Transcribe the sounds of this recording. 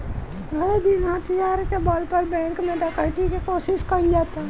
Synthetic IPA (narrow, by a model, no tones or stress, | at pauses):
ɡɐɾb̪inat̪ijaːɾkebaːlpəɾbɛ̃ːŋkmẽɾakaʈikikoːsɪʃkəɾd͡ʒaːt̪a